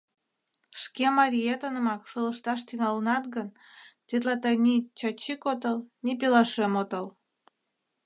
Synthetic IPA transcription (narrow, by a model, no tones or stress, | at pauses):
ʃkemɑɾʲijet̪ənəmɑkʃoləʃt̪ɑʃt̪yŋɑlənɑt̪̚ɣən | t̪ʲet̪̬lɑt̪ɑjnʲit͡ɕɑt͡ɕikot̪əlnipelɑʃemot̪əl